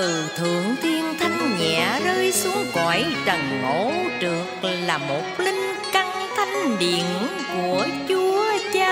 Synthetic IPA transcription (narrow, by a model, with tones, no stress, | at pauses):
ɨ˨˩t̪ʰɨ̰˧˨əŋt̪ʰi˧ənt̪ʰa˧jŋ̟ɲɛ̰˧˨zəː˧jsu˨˦əŋɣɔ˧˨jt͡ɕə˨˩ŋŋo̰˧˩˥t͡ɕɨ˨˩ək̚laː˨˩mo˨˩t̚li˧ŋ̟ | ka˧ŋ | t̪ʰa˧jŋ̟ɗḭ˧˨ən | ku˧˩ət͡ɕu˨˧˦əət͡ɕaː˧